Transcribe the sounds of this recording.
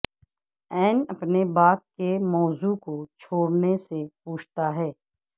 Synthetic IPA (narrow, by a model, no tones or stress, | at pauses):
ɛːnɐpnebaːp̚kemɔːzukot͡ʃʰoːɽnesepuːt͡ʃʰt̪aɦɛː